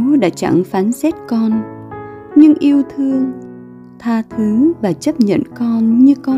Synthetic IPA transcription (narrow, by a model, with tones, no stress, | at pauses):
ɗa̰ː˧˥t͡ɕa̰˧˩ŋfaː˨˦nsɛ˦˥t̚kɔ˧n | ɲɨ˧ŋʔi˧əwt̪ʰɨ˧əŋ | t̪ʰaː˧t̪ʰɨ˨˦ŋvaː˨˩t͡ɕə˦˥p̚ɲə̰˧˨nkɔ˧nɲɨ˧kɔ˧